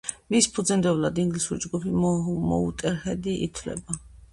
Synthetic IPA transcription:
mispʰud̪zɛnd̪ɛvlad̪iŋɡlisuɾid͡ʒɡupʰimɔ̰ṵt̪ʼɛɾχɛd̪iʔḭt̪ʰvlɛ̰ba

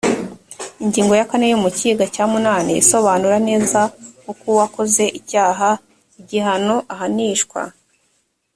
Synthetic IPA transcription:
iɲɟiːŋɡo̞jakane̞jumuciːɡacaːmunaːnaiso̞βaːnuɾane̞ːzakukuwakoze̞ʔicaːɦa | iɟiɦano̞ʔaɦaniːʃkwa̰

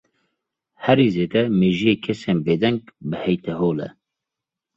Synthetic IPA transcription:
hɛɾiːzeːd̪ɛmeːʒijeːkʰɛseːnbeːd̪ɛŋɡbɨhɛjt̪ʰɛɦoːlɛ̰

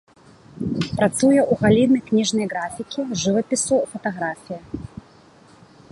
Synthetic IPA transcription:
pɾɐt̪sujɐʔuɣalʲinɐjknʲiʐnɐjɡɾafʲɪkʲɪʐɨvɐpʲɪsʊfɐt̪aɣɾafʲijɐ

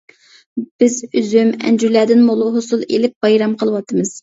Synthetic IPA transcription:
b̥ɪzyzymɛ̰nd͡ʒyɾlæːd̪ɪnmolˠuɦosulˠelɪp̚b̥ɑjɾɑmqʰəlˠəwɑt̪ʰːɨmɨz̥

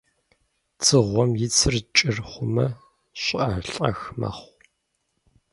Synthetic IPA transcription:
t͡sʰɨʁʷɔmjɪt͡sʰɨrt͡ʃʼɪrχʷʊmɐ | ɕʼʔɐɬʼɐ̰xmɐ̰χʷ

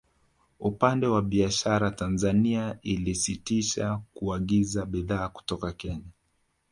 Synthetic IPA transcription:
upandɛwaɓiaʃaɾatanzaniailisitiʃakuaɠizaɓiðaːku̥tɔkakɛɲa

